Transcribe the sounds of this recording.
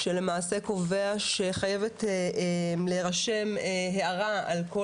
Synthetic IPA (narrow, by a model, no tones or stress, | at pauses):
ʃele̞maːse̞ko̞ve̞aʃeχaje̞vet | mleʁaʃe̞mɦeaʁaa̰lko